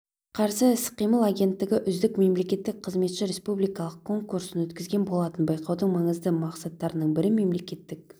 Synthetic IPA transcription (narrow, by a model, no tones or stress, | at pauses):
qʰɑɾsəɪsqijməlˠaɡʲe̞nt̪ːɪɡʲɪʔʏzd̪ɪkme̞mle̞kʲe̞t̪ːɪk̚qʰəzme̞t̪ʃɪɾe̞spublijkɑlˠəq̚kʰo̞ŋkuɾsɪnwɵt̪kʲɪzɡʲe̞nbo̞lˠɑt̪ənbɑjqɑwd̪əɴmɑɴəzd̪əmɑqsɑt̪ːɑɾənəɴbɪɾɪme̞mle̞kʲe̞t̪ːɪk̚